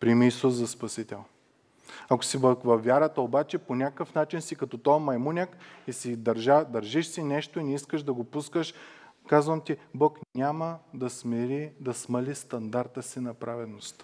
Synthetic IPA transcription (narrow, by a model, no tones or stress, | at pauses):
pɾimiiːsusːɐspɐsit̪ɛlˠ | ɐko̥sivɐvɐfvːjaɾət̪əobat͡ʃɛponʲakkəfnat͡ʃinsikɐt̪ɔt̪ɔmɐjmunʲəkisid̪ɐɾʒad̪ɐɾʒiʃsinɛʃt̪oinɛiskəʃd̪ɐɡopuskəʃ | kazvɐmt̪ʲibɔknʲaməd̪ɐsmɛɾid̪ɐsmɐlʲist̪ɐnd̪aɾt̪əsinɐpɾavɛd̪nost̪